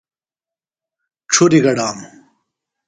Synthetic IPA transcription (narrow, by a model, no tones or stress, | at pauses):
ʈ͡ʂʰuɾiɡɐɽaːmu